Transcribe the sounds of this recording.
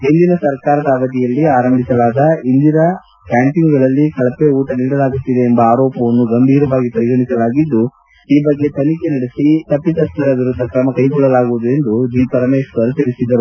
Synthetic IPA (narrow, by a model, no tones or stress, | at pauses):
ɦind̪inɐsɐɾkaːɾɐd̪ɐɐʋɐd̪ijɐlːiaːɾɐmbʱisɐlaːd̪ɐind̪inɐ | kaːɳʈiŋɡɡɐɭɐlːikɐɭɐpːeuːʈɐniːɽɐlaːɡut̪ːid̪eːmbɐaːɾɔːpɐʋɐnːuɡɐmbʱiːɾɐʋaːɡipɐɾiɡɐɳisɐlaːɡid̪ːu | iːbɐɡːe̞t̪ʰɐnikenɐɽesit̪ɐpːit̪ɐst̪ɐɾɐʋiɾud̪ʱːɐkɾɐmɐkɐjkɔɭːɐlaːɡuʋud̪ue̞nd̪ud͡ʒipɐɾɐmeːʂɡɐɾut̪iɭisid̪ːɐɾu